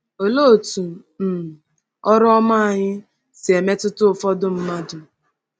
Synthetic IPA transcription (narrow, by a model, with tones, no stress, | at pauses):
o˨lo˦˨tu˨ | m̩˨ | ɔ˦ɾɔ˦ma˦a˨ɲɪ˦ | se˨me˦tʊ˦tʊ˦˨fɔ˦dʊ˦m̩˦ma˦dʊ˨